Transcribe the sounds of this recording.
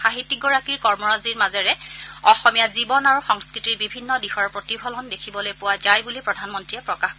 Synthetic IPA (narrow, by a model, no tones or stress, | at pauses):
xaɦitːiɡɔɹakiɹkɔɹmɔɹaziɹmazɛɹɛɔxɔmijazibɔnaɹuxɔŋskɹitiɹbibʱinːɔdixɔɹpɹotibʱɔlɔndekʰibɔlojpʊwazajbulipɹɔdʱanmɔntɹiɛpɹɔkaxkɔ